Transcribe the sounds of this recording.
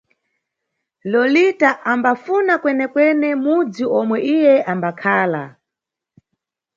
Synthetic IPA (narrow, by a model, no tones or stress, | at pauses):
lɔlitaʔambafunakwɛnɛkwɛnɛmud͡ziʔɔmwɛʔijɛʔambakʰaːla̰